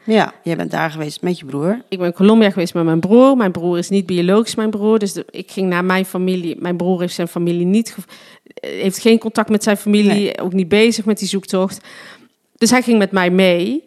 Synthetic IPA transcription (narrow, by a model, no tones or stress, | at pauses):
jɛjbɛ̰nda̰ːɹɣəʋejstmɛtjəbruːɹɪɡ̚bɛnkolɔmbiaɣəʋejstmamɛjnbruːɹmɛjnbruːrɪsnit̚bioloːxi̥smɛjnbruːɹdøsɪkxɪŋnaːmɛjnfamilimɛjnbruːɹɦejftsɛjnfamilinitxə | ɦejftxenkɔntɑk̚tmɛtsɛjnfamilio̰wknit̚bejzəxmɛt̚dizuktɔxt | d̥øsɦɛjɣɪŋmɛtmɛjmej